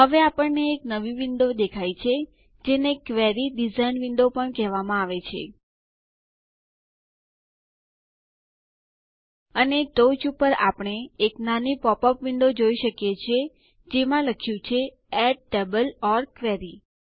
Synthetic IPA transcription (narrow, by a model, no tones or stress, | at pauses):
ɦəʋeapəɳneːknəʋiʋɪɳɖod̪ekʰajt͡ʃʰe | d͡ʒenekʋɛɾiɖizainʋɪɳɖopəɳkɛɦʋamãaʋet͡ʃʰḛ | əneʈot͡ʃupəɾa̰pəɳ̃eːknanipɔpɔpʋɪɳɖod͡ʒoiʃəkjet͡ʃʰe | d͡ʒemãləkʰjũt͡ʃʰe | ɛʈːebəlɔɾkʋɛɾi